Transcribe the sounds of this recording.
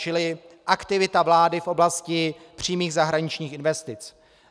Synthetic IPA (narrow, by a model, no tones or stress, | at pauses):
t͡ʃɪlɪ | ʔakt̪ɪvɪt̪avlaːdɪfʔo̞blascɪ | pr̝̥iːmiːɣzaɦɾaɲɪt͡ʃɲiːxɪnvɛst̪ɪt͡s